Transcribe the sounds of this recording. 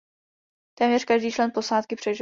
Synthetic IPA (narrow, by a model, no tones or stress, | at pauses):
t̪ɛːmɲɛrkaʒdiːt͡ʃlɛnpo̞saːt̪kɪpr̥ɛʒ